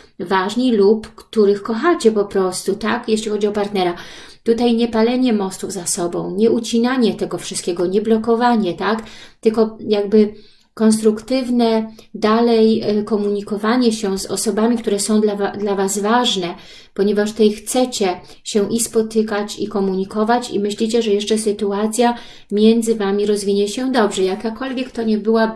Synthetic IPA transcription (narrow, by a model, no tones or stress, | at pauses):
vaʐɲilupkt̪uɾɘxkɔxat͡ɕɛpɔpɾɔst̪ut̪akjeɕlʲixɔd͡ʑiɔpaɾt̪nɛɾa | t̪ut̪ajɲɛpalɛɲɛmɔst̪uvzasɔbɔ̃w̃ɲɛut͡ɕinaɲɛt̪ɛɡɔfʂɨst̪kʲɛɡɔɲɛblɔkɔvaɲɛt̪akt̪ɘlkɔjaɡbɘ | kɔnst̪ɾukt̪ɘvnɛd̪alɛjkɔmuɲikɔvaɲɛɕɛzɔ̰sɔbamʲik̚t̪uɾɛsɔ̃w̃d̪lavad̪lavazvaʐnɛ | pɔɲɛvaʂt̪ɛjxt̪sɛt͡ɕɛ | ɕɛʔispɔt̪ɘkat͡ɕikɔmuɲikɔvat͡ɕḭmɘɕlʲit͡ɕɛʐɛjɛʂt͡ʂɛsɘt̪uat̪sʲja | mʲjɛnd̪zɘvamʲiɾɔzvʲiɲɛɕɛd̪ɔbʐɛijakakɔlvʲjɛkt̪ɔɲɛbɘwa